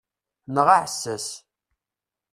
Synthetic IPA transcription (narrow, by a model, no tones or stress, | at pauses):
nʁaʕsːəs